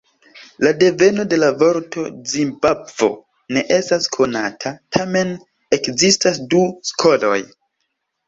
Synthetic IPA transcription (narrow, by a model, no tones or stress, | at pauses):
lade̞ve̞no̞de̞lavo̞ɾto̞zimbabvo̞̰ | ne̞ʔe̞staskʰo̞natʰatʰame̞n | e̞kzistasduskʰo̞lo̞̰j